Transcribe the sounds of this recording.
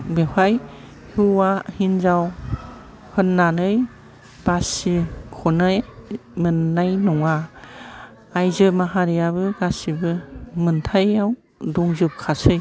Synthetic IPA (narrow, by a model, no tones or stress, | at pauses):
behaj | hɯwahinzaw | hɯnːanɯj | b̥asikʰɔnajmɯnːajnɔŋa | jzɯmaɦaɾijaβɯɡasibɯmɯntʰajaw | dɔŋzɯp̚kʰasɯj